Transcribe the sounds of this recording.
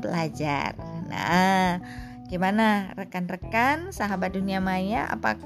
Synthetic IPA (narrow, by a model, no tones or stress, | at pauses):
bəlad͡ʒa̰rna̰ | ɡimanarəkanrəkansaɦabat̪̚duniamajaʔa̰pa̰k